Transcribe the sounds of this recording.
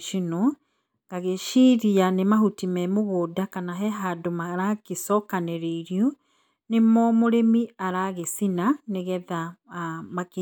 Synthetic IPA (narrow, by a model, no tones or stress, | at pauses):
ʃino | ɡaɣeʃiːɾianemaɦutimɛmoɣoːdakanaɦɛɦadomaɾakesɔkaneɾeiɾjɔ | nemɔmoɾemiaɾaɣesinaneɣɛða | make